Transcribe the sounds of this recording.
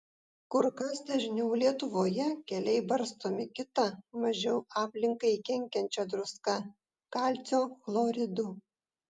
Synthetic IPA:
kʊɾkɐsd̪ɐʒʲnʲɛʊlʲiɛt̪ʊʋoːjɛkʲɛlʲɛɪbɐɾst̪oːmʲɪkʲɪt̪ɐmɐʒʲɛʊɑːpʲlʲɪŋkɐɪkʲɛŋʲkʲɛnʲt͡ʃʲɛd̪ɾʊskɐ | kɑːlʲt̪sʲoːflˠoɾʲɪd̪ʊ

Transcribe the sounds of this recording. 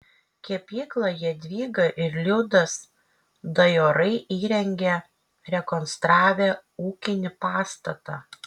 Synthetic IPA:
kʲiɛpʲiːklˠɐjiɛd̪ʲʋʲiːɡɐʔɪɾlʲʊd̪ɐs | d̪ɐjoːɾɐɪʔiːɾʲɛŋʲɡʲɛ | ɾʲɛkɔnst̪ɾɑːʋʲeuːkʲɪnʲɪpɑːst̪ɐt̪ɑː

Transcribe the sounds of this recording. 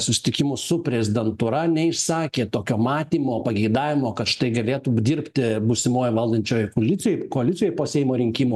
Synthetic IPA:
sʊsʲɪ̥t̪ʲɪkʲɪmʊsʊpʲɾʲɛzʲɪd̪ʲɛnt̪uɾɐnʲɛɪʃsɑːkʲeːt̪oːkʲoːmɑːt̪ʲiːmoːpɐɡʲɛɪd̪ɑːʋʲɪmoːkɐt̪ʃɪ̥t̪ɐɪɡɐlʲeːt̪uːd̪ʲɪɾʲpʲt̪ʲɪbʊsʲɪmoːjʋɐlʲˠd̪ʲɐnʲt͡ʃʲoːjʊkoːlʲɪtsʲɪjoɪkoːɐlʲɪt̪sʲjɔjɪpoːsʲɛɪmoːɾʲɪŋʲkʲimuː

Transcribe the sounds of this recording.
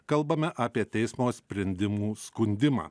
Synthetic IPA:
kɐlˠbɐmʲɛʔaːpʲiɛt̪ʲɛɪsmoːsʲpʲɾʲɛnʲd̪ʲɪmuːskʊnʲd̪ʲɪma̰ː

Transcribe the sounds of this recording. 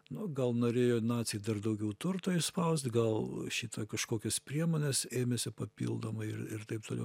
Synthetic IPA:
nʊɡɐlˠnoːɾʲeːjoːnɑːt͡ssʲɪjd̪ɐrd̪ɐʊɡʲɛʊt̪ʊrt̪oːɪʃspɐʊst̪ʲɡɐlˠʃʲiːt̪ɐkɐʃkoːkʲɛspʲɾʲiɛmoːnʲɛseːmʲesʲɪpɐpʲḭːlˠd̪oːmɐɪɪ̰rɪ̰rt̪ɐɪp̚t̪oːlʲɛ̰ʊ

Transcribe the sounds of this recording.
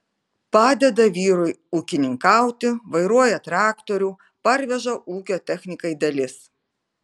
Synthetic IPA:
pɑːd̪ʲɛd̪ɐʋʲiːɾʊɪuːkʲɪnʲɪŋkɑˑʊt̪ʲɪʋɐɪɾuɔjɛt̪ɾɑːkt̪oɾʲuː | pɐɾʲʋʲɛʒɐʔuːkʲoːt̪ʲɛxʲnʲɪkɐɪd̪ɐlʲɪs

